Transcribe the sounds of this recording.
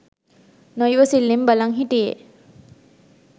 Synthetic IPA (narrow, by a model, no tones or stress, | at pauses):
nojʋəsilːimbəlaŋɦiʈijḛ